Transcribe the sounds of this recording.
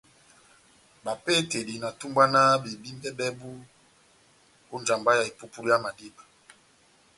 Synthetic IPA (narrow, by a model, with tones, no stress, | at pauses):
ba˨pe˦te˨li˨na˨tu˦mba˦na˦be˨bi˦mbɛ˦bɛ˦bu˦ | ko˦nd͡ʒa˨mba˦ja˨e˨pu˦pu˦li˦ja˦ma˨di˦ba˨